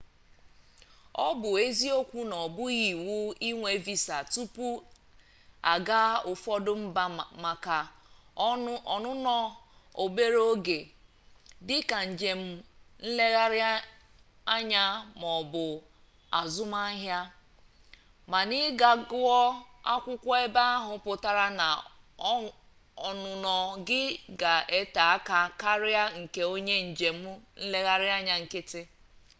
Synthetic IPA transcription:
ɔ˦bʊ˨e˦zi˦o˦kʷu˦nɔ˨bʊ˦ɣi˨wʊ˦i˦ŋʷe˨vi˨sa˨tu˦pu˦ | a̰˨ɡa˦ʊ˨fɔ˦dʊ˦m̩˦ma˨ka˨ | ɔ˨nʊ˦nɔ˦o˨be˦ɾo˦ɡe˨ | dɪ˦ka˨n̩˨d͡ʒe˨m̩˦n̩˦le˦ɣa˦ɾɪ˦ | a˦ɲa˦mɔ˨bʊ˨ | a˨zʊ˦ma˦ɦja˦ | ma˨nɪ˦ɡa˨ɡʊ˦ɔ˦a̰˦kʷʊ˦kʷɔ˦e˦ba˦a˦ɦʊ˨˦pʊ˨ta˦ɾa˦na˨˦ | ɔ˨nʊ˨nɔ˨ɡɪ˦ɡa˨ʔe˦ta˨a˦ka˦ka˦ɾɪ˦a˦ŋ̩˨ke˨o˦ɲe˦n̩˨d͡ʒe˨m̩˦n̩˦le˦ɣa˦ɾɪ˦a˦ɲa˨ŋ̩˨kɪ˦tɪ˦

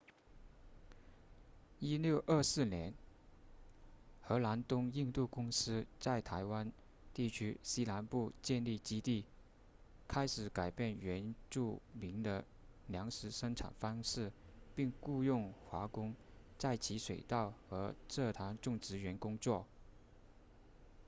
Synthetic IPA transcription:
i˥ljo˥˧ʊʔə˞˥˧sɹ̩˥˩njɛ˧˥n | xɤ˧˥la˧˥nt̪ʊ˥ŋi˥˧ŋt̪u˥˩kʊ˥ŋsɹ̩˥t͡sa˥˩ɪt̪ʰa˧˥ɪwa˥n | t̪i˥˩t͡ɕʰy˥ɕi˥la˧˥npu˥˧t͡ɕjɛ˥˧nli˥˩t͡ɕi˥t̪i˥˩ | kʰa˥ɪʂɻ̩˨˩ka˨˩ɪpjɛ˥˩nɥɛ˧˥nʈ͡ʂu˥˩mi˧˥ŋd̪ə˧ | ljɑ˧˥ŋʂɻ̩˧˥ʂɤ˥ŋʈ͡ʂʰa̰˨˩nfɑ˥ŋʂɻ̩˥˧pi˥˧ŋku˥˧jʊ˥˩ŋxwa˧˥kʊ˥ŋt͡sa˥˩ɪt͡ɕʰi˧˥ʂwe˨˩ɪt̪ɑ˥˩ʊxɤ˧˥ʈ͡ʂɤ˥˩t̪ʰa˧˥nʈ͡ʂʊ˥˩ŋʈ͡ʂɻ̩˧˥ɥɛ˧˥nkʊ˥ŋt͡swɔ˥˩

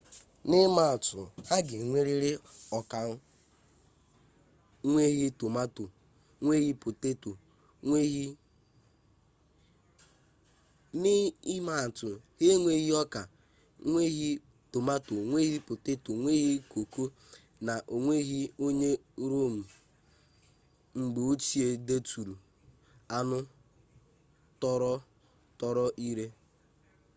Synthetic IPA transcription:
nɪ˦ma˨tʊ̰˨ha˦ɡɪ˨ŋʷe˦ɾi˦ɾɪ˦ɔ˨ka˨˦ | ŋʷe˦ɣi˦to˨ma˦tu˨ | ŋʷe˦ɣi˦pʊ˨te˦tu˨ | e˦i˦ | ni˦i˦ma˨tʊ˨he˦ŋʷe˦ɣi˦ɔ˦ka˨ | ŋʷe˦ɣi˦ | tʊ˨ma˦to˨ŋʷe˦ɣi˦pʊ˨tɪ˦tʊ˨ŋʷe˦ɣi˦ko˨ko˦ | na˨ʔo˨ŋʷe˦ɦi˦o˦ɲe˦ɾo˦˨m̩˨ | ŋ͡m̩˨ɡ͡be˨o˦t͡ʃi˦e˦de˦tu˨ɾu˨ | a˦nʊ˦ | tɔ˦ɾɔ˦ | tɔ˦ɾɔ˦ʔi˦ɾe˦

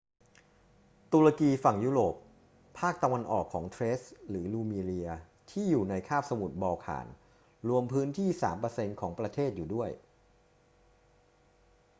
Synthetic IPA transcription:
t̪u˧ɾa˧kiː˧fa˨˩ŋjuː˦˥˩ɾoː˨˩p̚ʰ | aː˥˩k̚t̪a˧wa˧nʔɔ̰ː˨˩kʰːɔː˩˦ŋt̪ʰɾe˦˥sɾɯː˩˦luː˧miː˧liː˧ɐ | t̪ʰiː˥˩juː˨˩na˧jkʰaː˥˩p̚sa˧mu˨˩t̪̚bɔː˧kʰa̰ː˩˦n | ɾu˧əmpʰɯː˦˥nt̪ʰiː˥˩saː˩˦mpɤː˧se˧nkʰɔː˩˦ŋpɾa˧t̪ʰeː˥˩t̪̚juː˨˩du˥˩əj

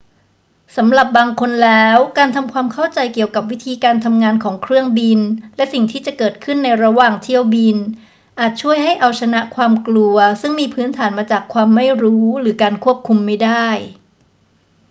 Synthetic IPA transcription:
sa˩˦mɾa˨˩p̚baː˧ŋkʰo˧nlɛː˦˥wkaː˧nt̪ʰa˧mkʰwaː˧mkʰa˥˩wt͡ɕa˧jki˨˩əwka˨˩p̬̚wi˦˥t̪ʰiː˧kaː˧nt̪ʰa˧mŋaː˧nkʰɔː˩˦ŋkʰɾɯ˥˩əŋbi˧nlɛ˦˥si˨˩ŋt̪ʰiː˥˩t͡ɕa˨˩kɤː˨˩t̪̚kʰɯ˥˩nːa˧jɾa˧waː˨˩ŋt̪ʰi˥˩əwbi˧n | ʔaː˨˩t̪̚t͡ɕʰu˥˩əjɦa˥˩jʔa˧wt͡ɕʰa˧na˦˥ʔkʰwaː˧mklu˧ɐsɯ˥˩ŋmiː˧pʰɯː˦˥nt̪ʰaː˩˦nmaː˧t͡ɕaː˨˩kʰwaː˧mːa˥˩jɾuː˦˥ɾɯː˩˦kaː˧nkʰu˥˩əp̚kʰu˧mːa˥˩jda˥˩j

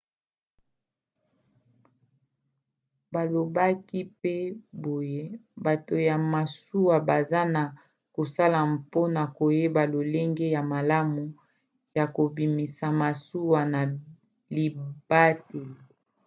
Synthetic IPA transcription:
ba˨lo˨ba˦ki˦pe˦bo˨je˦ba˨to˨ja˨ma˨su˦wa˨ba˨za˦na˨ | ko˨sa˦la˨mpo˦na˨ko˨je˦ba˨lo˨le˦ŋɡe˦ja˨ma˨la˦mu˨ | ja˨ko˨bi˨mi˨sa˨ma˨su˦wa˨na˨ | li˨b̥a˦te˨l

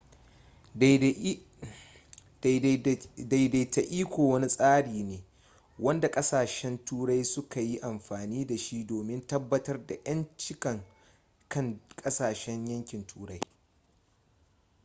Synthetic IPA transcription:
da˨jda˨jta˨ʔiː˦kʷoː˨wɐ˦ni˦sʼaː˦ɽiː˨neː˨ | wɐ˦nda˨kʼɐ˦saː˨ʃɛ˦ntuː˦ɽa˦jsʊ˦ka˨ji˦ʔa˨mɸaː˨niː˦da˨ʃi˦doː˨mɪ˦ntɐ˦bːɐ˦tɐ˦rda˨jɐ˦nt͡ʃɪ˦kɐ˨ŋ | kɐ˦˨ŋkʼɐ˦saː˨ʃɛ˦ɲjɐ˦ŋkʲɪ˨ntʰuː˦ɽa˦j

